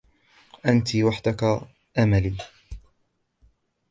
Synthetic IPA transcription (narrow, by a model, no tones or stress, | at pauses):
ʔant̪iwaħd̪aka | ʔamaliː